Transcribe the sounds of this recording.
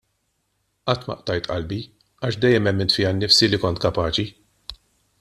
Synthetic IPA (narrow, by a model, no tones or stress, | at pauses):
ʔɐt̪ːmɐ̰ʔt̪ɐjt̪ʔɐlbi | ɐːʃd̪ɛjːɛmɛmːɪnt̪fɪjɐnːɪfsilikɔnt̪kɐpɐːt͡ʃi